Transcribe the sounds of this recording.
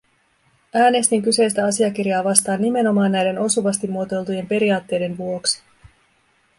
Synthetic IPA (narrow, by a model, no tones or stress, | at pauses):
æːne̞st̪iŋkyse̞jst̪æɑsiɑk̟irjɑːʋɑst̪ɑːnːime̞no̞mɑːnːæjde̞no̞suʋɑst̪imːuo̞t̪o̞lt̪uje̞mpe̞ɾiɑːt̪ːe̞jde̞nʋuo̞ksi̥